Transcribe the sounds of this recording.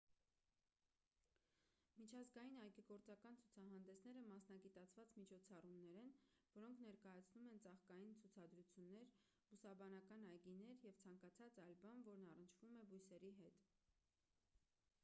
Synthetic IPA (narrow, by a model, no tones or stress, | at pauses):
mit͡ʃʰɑzɡɑjinɑjɡiɡɔɾt͡sɑkɑnt͡sʰut͡sʰɑɦɑnd̪ɛsnɛɾəmɑsnɑɡit̪ɑt͡sʰvɑt͡smit͡ʃʰɔt͡sʰɑrumnɛɾɛnvɔɾɔŋkʰnɛɾkɑjɑt͡sʰnumɛnt͡sɑχkɑjint͡sʰut͡sʰɑd̪ɾut͡sʰjunːɛɾ | busɑbɑnɑkɑnɑjɡinɛɾjɛvt͡sʰɑŋkɑt͡sʰɑt͡sɑjlbɑnvɔɾnɑrənt͡ʃʰvumɛbujsɛɾiɦɛt̪